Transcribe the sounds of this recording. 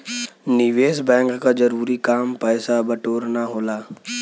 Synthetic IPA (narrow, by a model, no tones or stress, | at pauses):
niʋeːsbɛ̃ːŋkːad͡ʒɐɾuːɾikaːmpɛːsabɐʈoːɾnaɦoːlaː